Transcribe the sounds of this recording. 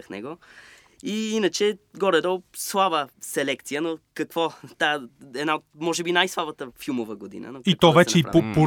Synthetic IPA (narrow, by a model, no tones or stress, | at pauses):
əxnɛ̰ɡo | iinət͡ʃɛɡɔɾɛd̪ɔlˠslˠabəsɛlɛkt̪sijənokɐkvɔt̪aɛd̪naot̪mɔʒɛbinajslˠabət̪əfilˠmovəɡod̪ḭnə̰noit̪ɔvɛt͡ʃɛipopo